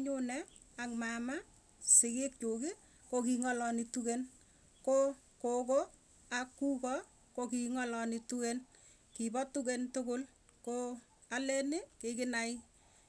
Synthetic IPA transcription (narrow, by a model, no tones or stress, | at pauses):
ɲʊnɛ | aŋmama | sɪkɪk̚t͡ʃoki | kokiŋɔlɔnituken | ko | koko | akːukɔ | kokiŋɔlɔnituken | kibɔtukentʊkʊl | ko | alɛnɪkɪkɪnaɪ